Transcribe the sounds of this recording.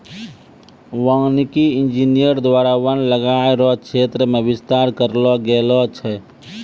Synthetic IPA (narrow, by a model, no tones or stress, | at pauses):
ʋaŋnikiind͡ʒinijəɾd̪ʋaɾawənləɡaeɾɔt͡ʃʰet̪ɾəmebist̪aɾkəɾlɔɡelɔt͡ʃʰɛ